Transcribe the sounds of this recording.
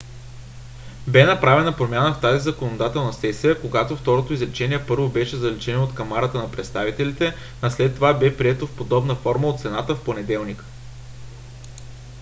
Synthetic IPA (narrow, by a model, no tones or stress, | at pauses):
bɛnɐpɾavɛnɐpɾomʲjanəft̪azizɐkonod̪at̪ɛlˠnəsɛsijəkoɡat̪oft̪ɔɾot̪oizlɛt͡ʃɛniɛpɤɾvobɛʃɛzɐlit͡ʃɛnoːt̪kɐmaɾət̪ənɐpɾɛt̪st̪avit̪ɛlit̪ɛ | ɐslɛt̪ːovabɛpɾiɛt̪ofpod̪ɔbnəfɔɾməot̪t̪sɛnat̪əfponɛd̪ɛlˠnik